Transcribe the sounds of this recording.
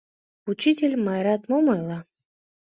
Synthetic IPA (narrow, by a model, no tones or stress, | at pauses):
ut͡ɕitʲelʲmajɾat̪momɤjlˠa